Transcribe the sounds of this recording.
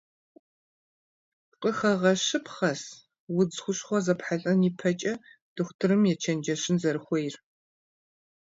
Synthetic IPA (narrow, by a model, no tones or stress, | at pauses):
qʼəxɐʁɐɕɨpʰχɐs | wʊd͡zxʷʊɕχʷɔzɐpħaɬʼɐniːpʰɐt͡ʃʼɐ | d̥ɨxʷtʰɨɾɨmjɛt͡ʃʰɐnd͡ʒɐɕɪnzɐɾɨxʷejr